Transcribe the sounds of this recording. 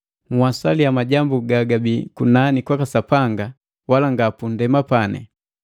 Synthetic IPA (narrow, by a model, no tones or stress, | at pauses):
muwasalijamaɟambuɡaɡabikunanikwakasapaŋɡa | walaŋɡapun̩dɛmapanɛ̰